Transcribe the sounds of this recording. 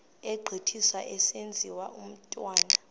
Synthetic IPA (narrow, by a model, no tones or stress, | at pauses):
ɛɡ͡ǃʱitʰiswaʔɛsend͡zʱiwaum̩tʼwaːna